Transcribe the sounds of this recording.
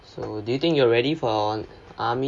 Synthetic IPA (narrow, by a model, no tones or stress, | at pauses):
sodujut̪ɪ̃ŋkjuaɹɛɾifɔ | ʔami